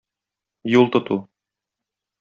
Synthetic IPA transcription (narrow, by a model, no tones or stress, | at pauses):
julˠt̪ŏt̪u